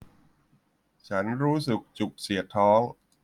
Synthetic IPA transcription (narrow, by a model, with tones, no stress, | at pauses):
t͡ɕʰa˦˥nɾuː˦˥sɯ˨˩k̚t͡ɕu˨˩k̚si˩˦ɐt̪ʰɔː˦˥ŋ